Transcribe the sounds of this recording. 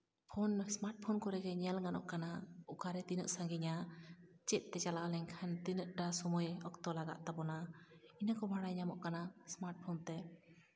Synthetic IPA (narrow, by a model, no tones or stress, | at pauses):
pʰɔnsmaɾʈ̚pʰɔnkɔɾɛɡɛɲalŋanɔ̰ʔkanaukaɾɛt̪inə̰ʔ̚saŋɡiɲat͡ʃɛt̪̚ˀt̪ɛt͡ʃalaʔlɛɲkʰant̪inəʔ̚ʈasɔmujɔkt̪ɔlaɡa̰ʔ̪̚t̪abɔnainakɔbʱaɽajɲamɔʔkanasmaɾʈ̚pʰɔnt̪ɛ